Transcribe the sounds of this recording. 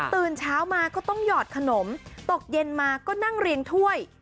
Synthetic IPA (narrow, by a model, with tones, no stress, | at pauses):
t̪ɯː˨˩nt͡ɕʰaː˦˥wmaː˧kɔː˥˩t̪ɔ˥˩ŋjɔː˨˩t̪̚kʰa˧no˩˦mt̪o˨˩k̚je˧nmaː˧kɔː˥˩na˥˩ŋɾi˧əŋt̪ʰu˥˩əj